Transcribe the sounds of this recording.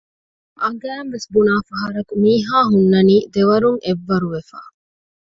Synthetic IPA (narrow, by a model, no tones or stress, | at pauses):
ʔɐɡæːmʋesbunaːfɐɦɐɾɐkumiːɦaːɦunːɐniːd̪eʋɐɾuŋeʋːɐɾuʋefa̰ː